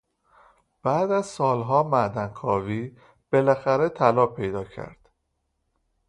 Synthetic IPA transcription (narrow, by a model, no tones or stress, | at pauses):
b̥æːd̪æzsɒːlɦɒːmæd̪ænkʰɒːviː | b̥e̞læxæɾet̪ʰælɒːpʰe̞jd̪ɒːcʰæ̰ɾd̪̥